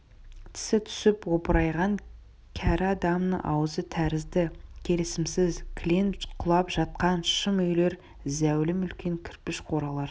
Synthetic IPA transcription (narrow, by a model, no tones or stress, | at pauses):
t̪ʰɪ̥sɪt̪ʰʏ̥sɪpwopəɾɑjʁɑŋ | kʲʰæɾɑd̪ɑmnə̰ʔɑ̰wəzət̪ʰæɾɪzd̪ɪkʲʰe̞lɪsɪmsɪzkʲʰlʲenqʰʊlˠɑpʒɑt̪̚qɑnʃəmɵjle̞ɾ | zæwlɪmʏlkʲe̞ŋkʲʰɪɾpɪʃqʰo̞ɾɑlˠɑɾ